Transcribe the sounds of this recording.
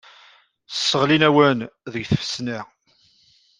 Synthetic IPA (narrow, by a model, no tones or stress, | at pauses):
ə̥sːəʁlinæwənðəɡθəfə̥sni